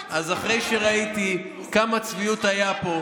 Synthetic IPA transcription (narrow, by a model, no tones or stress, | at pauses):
ʔazaχʁe̞jʃeʁait̪i | kamat͡sviut̪ajapo̞